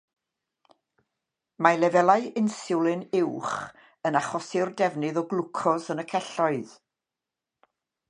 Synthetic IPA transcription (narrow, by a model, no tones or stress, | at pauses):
malˠɛvɛlˠaɨɪnsɪwlˠɨnɪwχ | ənaχɔsɪrdɛvnɨðɔɡlˠʊkʰɔsənəkʰɛɬɔɨð